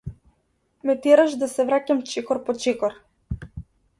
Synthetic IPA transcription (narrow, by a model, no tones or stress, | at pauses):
mɛt̪ɛɾaʃd̪asɛvɾacamt͡ʃɛkɔɾpɔt͡ʃɛkɔɾ